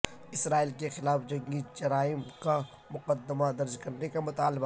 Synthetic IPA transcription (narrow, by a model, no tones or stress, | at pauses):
ɪsɾaːiːlkexɪlaːfd͡ʒɐ̃ŋɡid͡ʒɐɾaːɪmka | mʊqəd̪ːəmad̪ɐɾd͡ʒkɐɾnekamʊt̪aːlba